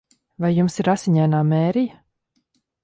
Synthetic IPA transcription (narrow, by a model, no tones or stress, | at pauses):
vajːumsiɾasʲiɲajnaːmeːɾijə